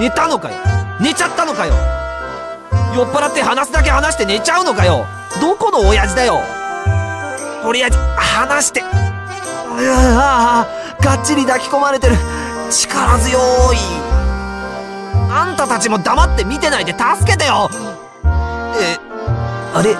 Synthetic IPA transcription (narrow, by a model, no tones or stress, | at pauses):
ne̞t̪ano̞ka̰jo̰ne̞t͡ɕat̪ːano̞kajo̞̰ | jo̞pːaɾat̪ːe̞hanasɨd̪ak̬e̞hanaɕi̥t̪e̞ne̞t͡ɕaɯ̟no̞kajo̞ | d̪o̞ko̞no̞ːjaʑid̪ajo̞ | koɾejaihanaɕi̥t̪e̞ | ɡat͡ɕːiɾʲid̪akʲi̥ko̞maɾe̞t̪e̞ɾɯ̟ | t͡ɕi̥kaɾazɨjo̞ːi | ãnt̪at̪at͡ɕimo̞d̪amat̪ːe̞mʲit̪e̞naid̪e̞t̪asɨ̥ke̞t̪ajo̞ | e | aɾe